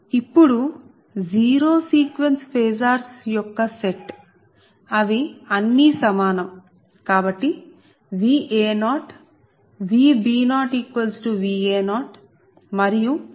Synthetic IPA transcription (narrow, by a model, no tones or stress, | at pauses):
ipːuɽu | d͡ʒiːɾoːsiːkʋenspʰeːzaːɾsjɔkːɐseʈ | ɐd̪iɐnːisɐmaːnɐm | kaːbɐʈːi | ʋiːʔeːnaːʈ | ʋiːbiːnaːʈiːkʋɐlsʈuʋiːeːnaːʈ | mɐɾiju